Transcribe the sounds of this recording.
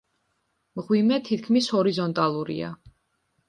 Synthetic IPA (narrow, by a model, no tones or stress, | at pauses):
mʁwimɛt̪ʰit̪̚ʰkʰmishɔɾizɔnt̪ʼalˠuɾḭa̰